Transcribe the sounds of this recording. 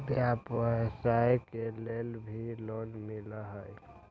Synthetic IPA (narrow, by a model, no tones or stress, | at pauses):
bjapʋəsaekelelbʱilonmiləɦəj